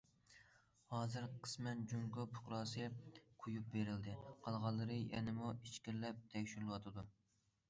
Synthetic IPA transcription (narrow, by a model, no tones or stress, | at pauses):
hɑːzɨɾqʰə̥smɛnd͡ʒuŋɡopʰʊ̥qɾɑːsɨqʰujup̚beɾɪld̪ɪqʰɑlˠʁɑlˠːɨɾɨjɛ̰nɪmuit͡ʃkʲiɾlɛp̚t̪ʰɛkʲʃyɾlˠɨwɑt̪ʰɨd̪u